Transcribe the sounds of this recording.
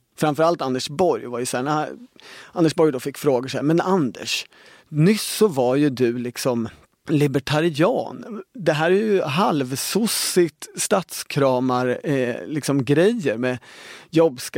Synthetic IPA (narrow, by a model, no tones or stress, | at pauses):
fɾamfœɾalt̪and̪əʂbɔɾjvaɾjəsæːɳæ | and̪əʂbɔɾjd̪ɔfɪkːfɾoːɡəʂɛmɛnand̪ə̰ʂ | nʏsːɔvaɾjɵd̪ɵlɪksɔm | lɪbɛʈʰaɾɪɑ̰ːnd̪ɛɦæːɾæɾjɵɦalvsʊsɪt̪st̪at̪skʰɾɑːmaɾlɪksɔmɡɾɛjəɾmɛjɔbːsk